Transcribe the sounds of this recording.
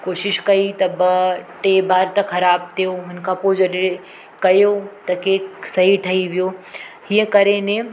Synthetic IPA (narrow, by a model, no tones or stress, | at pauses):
koːʃɪʃkɐit̪ɐbɐʈeːbʱaːɾt̪ɐxʰɐɾaːb̚t̪ʰijoɦʊnkapoːd͡ʒɐɾe | kɐjot̪ɐkeːksɐɦiʈʰɐiʋijohiə̃kɐɾenẽ